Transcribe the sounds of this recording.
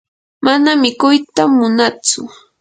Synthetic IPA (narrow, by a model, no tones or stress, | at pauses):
manamɪkʊjt̪amːʊnat͡sʊ